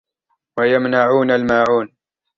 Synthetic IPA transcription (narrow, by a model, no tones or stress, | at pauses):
wajamnaʕuːnalmaːʕuːn